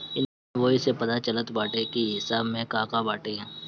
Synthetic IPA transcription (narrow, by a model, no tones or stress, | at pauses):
ɪnmẽʋoɪsepɐt̪at͡ʃələt̪baːʈekiɦɪsaːbmẽkaːkabaːʈeɦɛ̃ː